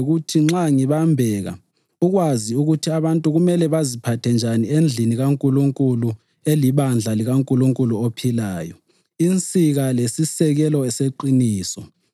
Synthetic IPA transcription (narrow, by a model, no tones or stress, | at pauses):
ɣutʰiŋ͡ǁaŋiβambʱɛɣa̰ | uɣwaziuɣutʰiaβantʼuɣumɛlɛβazipʰatʰɛnd͡ʒʱaniend͡ɮʱiniɣaŋkʼuluŋkʼulu | eliβand͡ɮʱaliɣaŋkʼuluŋkʼuluopʰilaːjɔ̰ | int͡sʼiɣalesisɛɣɛlɔɛseǃiniːsɔ